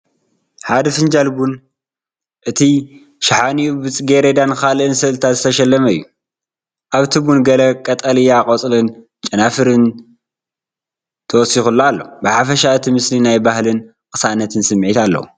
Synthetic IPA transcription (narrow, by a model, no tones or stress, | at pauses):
ħad̪ɐfɨnd͡ʒalbun | ʔɨt̪ʰi | ʃɪħaniubɨt͡sʼɡeɾed̪ankalʔɨnsɐlt̪ʰazɨt̪ʰɐʃɐlːɐmɐjːu | ʔaβt̪ʰɨbunɡɐlɐkʼɐt̪ʼɐlɨjakʼɐt͡sʼlɨn | t͡ʃʼɐnafɨɾɨn | t̪ʰɐwɔsixulːoalːo̞̰bɨħafɐʃaɨt̪ʰimɨslinajbahlɨn | kʼɨ̥sanɐt̪ʰɨnsɨmːʕit̪alːɐ̰wu